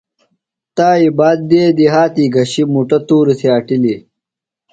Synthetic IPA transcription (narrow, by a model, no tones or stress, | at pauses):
t̪aːibaːd̪̚ːeːd̪iɦaːt̪iːɡɐɕimuʈɐt̪uːɾisʰeɐʈili